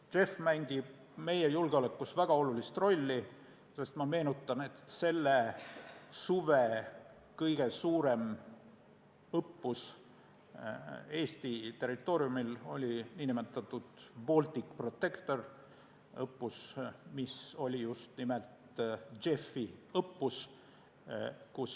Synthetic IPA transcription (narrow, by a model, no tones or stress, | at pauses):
t͡ʃe̞fmæŋɡ̥i | me̞je̞julɡ̥eo̞lekːˑusvæɡ̥ɑo̞lulist̪ro̞lʲːi | se̞st̪mɑme̞ːnut̪ːˑɑne̞t̪se̞lːe | suve | kɤjɡ̥e̞suːɾe̞m | ɤpːus | e̞ːst̪it̪e̞rːit̪ˑːo̞ːɾjumilo̞lʲiniːnimet̪ːˑɑt̪ˑːud̪̥boːlʲt̪ʲˑikpro̞t̪ːe̞kt̪o̞r | ɤpːusmiso̞lʲijust̪nimelt̪ | t͡ʃe̞fːiɤpːus | kus